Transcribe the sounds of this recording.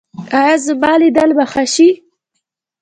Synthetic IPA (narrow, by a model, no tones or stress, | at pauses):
ajazəmɑːlid̪albaxaʃi